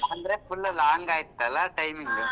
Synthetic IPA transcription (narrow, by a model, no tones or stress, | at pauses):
and̪ɾeːfʊlːɐlaːŋɡaːjɪt̪ːɐlaʈɐɪmɪŋɯ